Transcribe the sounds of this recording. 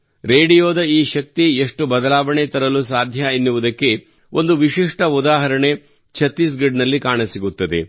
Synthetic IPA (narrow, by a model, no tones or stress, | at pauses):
ɾeːɖijoːd̪ɐiːʃɐk̚t̪ieʂʈubɐd̪ɐlaːʋɐɳet̪ɐɾɐlusaːd̪ʱjɐinːuʋud̪ɐkːe̞ | ʔo̞nd̪uʋiʃiʂʈɐud̪aːɦɐɾɐɳe̞ | t͡ʃʰɐt̪ːis̬ɡeɖnɐlːikaːɳɐsiɡut̪ːɐd̪e̞̰